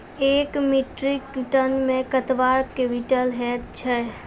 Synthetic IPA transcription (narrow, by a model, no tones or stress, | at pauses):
eːkmiʈɾikʈənmẽkət̪ʋaɾkeʋiʈəlɦɛt̪̚t͡ʃʰɛ